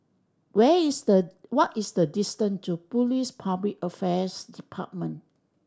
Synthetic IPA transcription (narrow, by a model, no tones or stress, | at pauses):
wɛisdəwɔtisdədistə̃ntupulispʰablik̚əfɛsdipʰa̰t̚mə̃n